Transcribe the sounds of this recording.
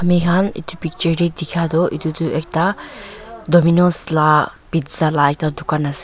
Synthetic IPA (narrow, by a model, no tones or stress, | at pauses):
ɐmikʰanḭt̪upik̚t͡ʃəɾɾed̪ikʰad̪ɔʔḭt̪ut̪uek̚ta | dɔminɔ̃sla | pid̪zalaek̚t̪ad̪ʱukanasi̥